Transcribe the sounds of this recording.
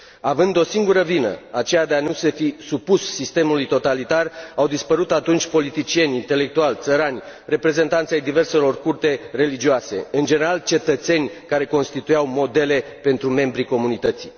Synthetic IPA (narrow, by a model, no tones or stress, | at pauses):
avɨnd̪o̞siŋɡuɾəvinə̰at͡ʃejad̪eanuse̞fisupusːist̪e̞mulujt̪o̞t̪alit̪arawd̪ispəɾut̪at̪unt͡ʃʲpo̞lit̪it͡ʃie̞nʲint̪e̞le̞k̚t̪ualʲt̪səɾanʲ | re̞pɾe̞ze̞nt̪ant̪sʲajd̪ive̞rse̞lo̞rkurt̪e̞re̞lid͡ʒioase̞̰ɨnd͡ʒe̞ne̞ɾalt͡ʃe̞t̪ət̪se̞nʲkaɾe̞ko̞nst̪it̪ujawmo̞d̪e̞le̞pe̞nt̪ɾume̞mbɾiko̞munit̪ət̪si̥